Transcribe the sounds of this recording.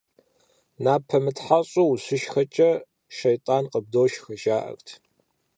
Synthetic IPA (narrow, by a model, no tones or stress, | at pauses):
naːpʰɐmɨtħaɕʼuwuɕʊʃxɐt͡ʃʼɐ | ʃejtʼaːnqʼəb̚doːʃxɐʃaːʔɐ̰rtʰ